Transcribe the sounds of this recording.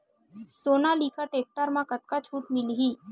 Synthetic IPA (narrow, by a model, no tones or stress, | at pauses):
sonalikaʈek̚ʈaɾmãkət̪̚kat͡ʃʰuːʈmilɦiː